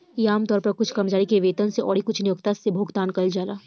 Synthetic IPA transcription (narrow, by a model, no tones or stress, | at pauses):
jaːmt̪ɔːɾpɐɾkʊt͡ʃʰkɐmd͡ʒaːɽikeʋeːt̪ənseʔɔːɽikʊt͡ʃʰnijoːkt̪asːebʱoːɡt̪aːnkɐld͡ʒaːlaː